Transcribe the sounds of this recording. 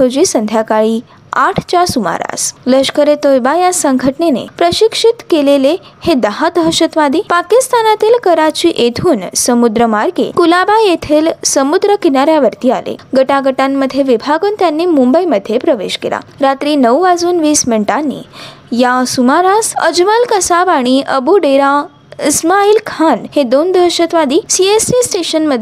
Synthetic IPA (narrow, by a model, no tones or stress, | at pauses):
od͡ʑiːsənd̪ʱjakaɭi | aʈʰt͡ɕasuma̰ɾa̰sləʂkəɾet̪ojbajasəŋɡʱəʈnenḛpɾəɕikʂit̪kelele | hed̪əɦat̪ɦəʃət̪ʋad̪iːpakist̪anat̪iːlkəɾat͡ɕiʔet̪ʰuːnsəmud̪ɾəmaɾɡḛkulabajet̪ʰelsəmud̪ɾəkinaɾjaʋəɾt̪iːalḛɡəʈaɡəʈanməd̪ʱjeʋibʱaɡont̪janːimũmbəiməd̪ʱjepɾəʋḛʃkḭla̰ɾat̪ɾinəʋuʋad͡zunʋismeɳʈanːḭ | jãsumaɾasə̰d͡ʒʋalkəsabaɽ̃iʔəbuɖeɾã | ɪsmailkʰanhed̪ond̪ʱəɾʃət̪ʋad̪isiesisʈeʃənməd̪ʱ